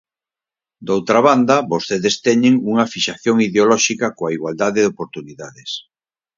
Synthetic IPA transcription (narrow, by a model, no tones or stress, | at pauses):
d̪owt̪ɾaβand̪ɐβost̪eðest̪ɛɲeŋuŋafiʃaθjoŋiðeolɔʃikakoaiɣwald̪aðeðopoɾt̪uniðaðes